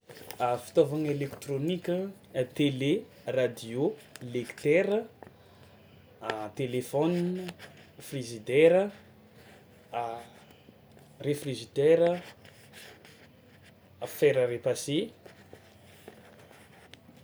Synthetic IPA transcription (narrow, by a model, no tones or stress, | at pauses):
afi̥t̪ovaŋelekt̪ronikʲə | t̪ele | rad̪iolekt̪ɛɾə | t̪elefɔn | frizid̪ɛɾə | refriʒit̪ɛɾə | feɾəɾepase